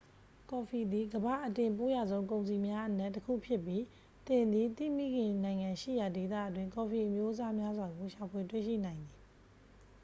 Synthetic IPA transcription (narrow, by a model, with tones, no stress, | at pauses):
kɔ˨fʰi˨d̪i˨ɡəba̰˦˨ʔətɪ̃˨mpo˦ja˨zõ˦ʊ̃ŋkõ˨ʊ̃ns̬i˨mja˦ʔənɛ˦ʔtːəkʰṵ˦˨pʰjɪ˦˨pji˦ | t̪ɪ̃˨nd̪i˨t̪ḭ˦˨mḭ˦˨ɡɪ̃˨nã˨ɪ̃ŋã˨ʃḭ˦˨ja˨de˨t̪a̰˦˨ʔət̬wɪ̃˦˨ŋkɔ˨fi˨ʔəmjo˦ʔəza˦mja˦zwa˨ɡo˨ʃa˨pʰwe˨twḛ˦˨ʃḭ˦˨nã˨ɪ̃nd̪i˨